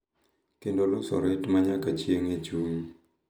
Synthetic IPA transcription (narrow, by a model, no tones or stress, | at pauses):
kɪndolʊsɔ̰ɾɪtmaɲakat͡ʃjeŋet͡ʃuŋ